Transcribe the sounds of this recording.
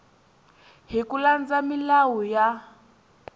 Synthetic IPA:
ɦikuland͡zamilawuja

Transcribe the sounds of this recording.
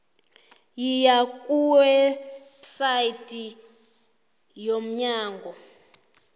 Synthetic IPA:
jijakʼuwɛ | saitʼi | jom̩ɲaːŋɡʱɔ

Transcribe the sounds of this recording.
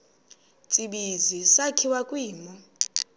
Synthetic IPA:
t͡sʼiɓizisakʰiwakʼwiːmɔ

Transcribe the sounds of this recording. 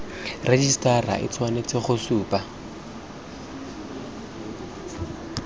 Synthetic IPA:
red͡ʒistara̰ʔɪ̰t͡sʰwanet͡sʼɪχʊsuːpʼa

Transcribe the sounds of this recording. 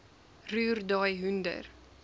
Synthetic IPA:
ɾyːɾd̪ɑjɦʉnd̪ə̰ɾ

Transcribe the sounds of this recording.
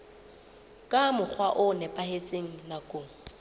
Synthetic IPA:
kʼamʊk͡xʰwaʔʊnɛpʼahet͡sʼeŋ̩nakʼoːŋ̩

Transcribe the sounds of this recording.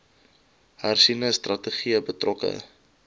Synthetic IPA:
harsinəstrɐtəχiəbətrɔkə̰

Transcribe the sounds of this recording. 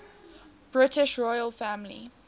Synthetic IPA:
b̥ɹɪtɪʃɹɔɪəlfæ̃mlḭ

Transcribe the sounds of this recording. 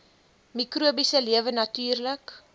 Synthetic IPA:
mikruəbisəliəvənɐtyːrlək

